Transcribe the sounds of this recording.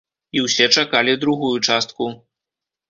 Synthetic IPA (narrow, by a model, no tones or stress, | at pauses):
iwsʲɛt͡ʂakalʲid̪ɾuɣujut͡ʂast̪̚ku